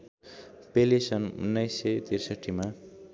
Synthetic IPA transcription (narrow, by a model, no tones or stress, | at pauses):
pelesʌnṵnːʌjset̪ersʌʈʰːima